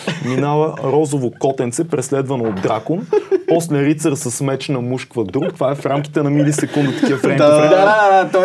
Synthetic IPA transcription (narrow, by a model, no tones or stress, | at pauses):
minavəɾɔzovokɔt̪ɛnt̪sɛpɾɛslɛd̪vɐnoːd̪d̪ɾakonpɔslɛɾit̪səɾsɐsmɛt͡ʃnɐmuʃkvəd̪ɾukt̪ovaɛfɾamki̥t̪ɛnɐmilisɛkund̪ət̪k̪iəfɾɛ | at̪